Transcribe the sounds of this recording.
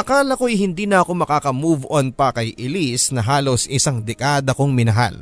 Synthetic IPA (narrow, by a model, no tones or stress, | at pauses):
ʔɐkaːlɐkoɐjɦɪnd̪iːnɐɐko̞mɐkaːkɐmuːvʔonpɐkɐjʔɪlisnɐɦaːlo̞sʔɪsaŋd̪ɛkaːd̪ɐkoŋmɪnɐɦa̰l